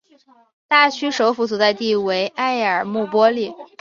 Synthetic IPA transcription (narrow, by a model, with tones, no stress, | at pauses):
t̪a˥˩t͡ɕʰy˥ʂo˧˥ʊfu˧˥t͡su˨˩t͡sa˥˧ɪt̪i˥˩we˧˥ɪʔa˥ɪə˞˨˩mu˥˩pwɔ˥li˥˩